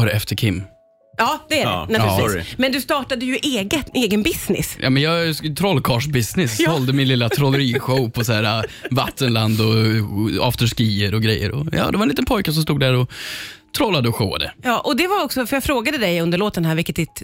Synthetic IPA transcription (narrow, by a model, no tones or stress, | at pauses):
œɾɛft̪ʰəɾkʰɪmː | jɑːd̪̥ɛæɾ̰at̪ʉɪmɛnd̪ɵst̪ɑːʈad̪əjɵʔeːɡəeːɡənbɪsnɪ̰sjʔɑ̰ːmɛnjɑːɡt̪ʰɾɔlːkʰɑːʂbɪsnɪshɔld̪əmɪnlɪlːat̪ʰɾɔləɾiːɧɔʊpʰɔsaæːɾava̰t̪ːənland̪ɔ | a̰ft̪əʂkiːəɾɔɡɾɛjːə̰ɾɔ̰jɑ̰ːd̪ɛvaɛnliːt̪npʰɔjkas̬ɔmst̪uːd̪d̪æɾɔt̪ʰɾɔlːad̪əɔɧo̰ːa̰d̪ə̰jɑːʔɔd̪ɛvaɾɔksɔfœɾjɑfɾoːɡad̪əd̪ɛjɵnd̪əɾɭoːt̪ənhæːɾvɪlkət̪d̪ɪt̪